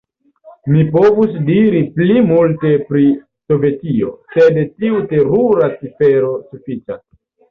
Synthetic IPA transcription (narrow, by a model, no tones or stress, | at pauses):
mipo̞vus̬diɾiplimulte̞pɾi | so̞ve̞tio̞̰se̞detiute̞ɾuɾat͡sife̞ɾo̞sufit͡ʃas